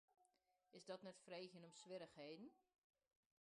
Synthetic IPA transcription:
ɪsdɔtnɛtfreːxjənɔmsʋɪɾəxɦeːdən̩

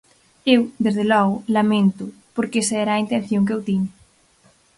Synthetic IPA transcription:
ewd̪ezðelɔɣʊlamẽnt̪ʊ | poɾkesɛɾaint̪en̟θjoŋk̬ewt̪iɲa

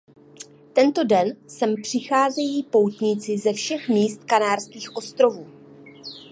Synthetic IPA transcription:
t̪ɛnt̪o̞dɛnsɛmpr̝̥ɪxaːzɛjiːpo̞wt̪ɲɪt͡sɪzɛfʃɛxmiːst̪kanaːrskiːxʔo̞st̪ɾo̞vuː

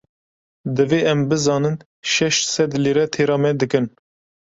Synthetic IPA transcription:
d̪ɨveːɛmbɨzɑːnɨn | ʃɛʃt̪sɛd̪leːɾɛt̪ʰeːɾɑːmɛd̪ɨkɨn

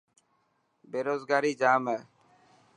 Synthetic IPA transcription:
beːɾoːzɡaːɾiːd͡ʒaːmɛː

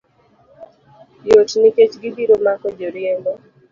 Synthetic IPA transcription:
jotnɪket͡ʃɡidiɾomakɔd͡ʒoɾjeŋɡɔ

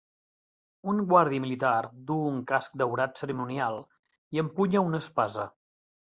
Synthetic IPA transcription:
uŋɡwaɾðiəmilit̪ard̪uuŋkask̚d̪əwɾat̪səɾimunialˠ | iəmpuɲəunəspazə

